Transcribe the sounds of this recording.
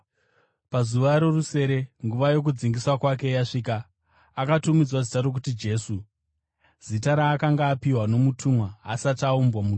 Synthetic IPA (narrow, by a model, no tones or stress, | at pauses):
pazuʋaɾo̞ruse̞ɾe̞ŋɡuʋajo̞k̬ud͡ziŋɡiswakwake̞jaʂiːkaː | katumid͡zwazitaɾo̞k̬utid͡ʒe̞ːsu | z̥itaɾaːkaŋɡaːpiwano̞mutʰumwa̰ːsataumbwamu